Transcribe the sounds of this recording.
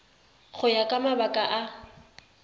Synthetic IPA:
χʊjakʼamabakʼaʔa

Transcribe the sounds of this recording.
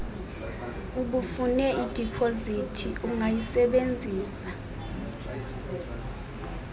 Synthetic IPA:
uɓufunɛʔid̥ʱipʰozitʰiʔuŋajisɛɓend͡zʱiːsa

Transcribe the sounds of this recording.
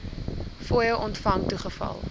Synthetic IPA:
foːjəwʔɔntfɐŋtuχəfɐ̰lˠ

